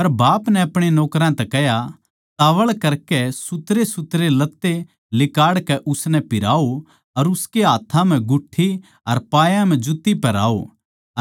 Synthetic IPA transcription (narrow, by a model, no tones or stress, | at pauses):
pɐɾbaːpnɛɐpɽ̃enɔːkɾãt̪ɛkɛɦja | t̪aːʋəɭkɐɾkɛsʊt̪ɾesʊt̪ɾelɐt̪ːe | lɪkaːɽkɛʔʊsnɛpɪɾa̰ːo | ɐɾʊskeɦaːt̪ʰãm̤ɛ̃ɡʊʈʰːi | ɐɾpaːjãm̤ɛ̃d͡ʒʊt̪ːipɐɾa̰ːo̰